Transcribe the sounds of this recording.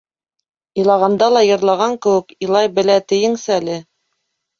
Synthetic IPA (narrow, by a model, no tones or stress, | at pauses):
ĭlˠɑʁɑnd̪ɑlˠɑjɤ̆ɾlˠɑʁɑŋkɘ̆wɘ̆kilˠɑjbɘ̆læt̪ɘ̆jɘ̆ŋsɘælɘ